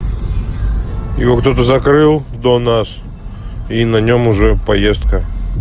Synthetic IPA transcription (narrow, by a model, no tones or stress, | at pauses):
jɪ̰vokt̪ot̪əzɐkɾɨlˠd̪onas | inɐnʲomʊʐɛpɐjest̪̚kə